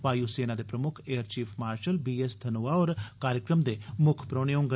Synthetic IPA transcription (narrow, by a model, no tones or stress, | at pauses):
ʋaːjuseːnad̪eːpɾəmʊkʰeːəɾt͡ʃiːpʰmaːɾʃəlbiːesd̪ʰʱɐnoːaɔːɾkaːɾjəkɾəmd̪emʊkʰpɾoːɽ̃eõːŋɡ